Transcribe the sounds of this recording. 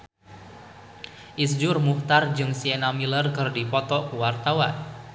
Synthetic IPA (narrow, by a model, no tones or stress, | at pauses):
ʔisd͡ʒʊrmuht̪ard͡ʒɨŋsienamilərkɨrdipɔt̪ɔkuwart̪awan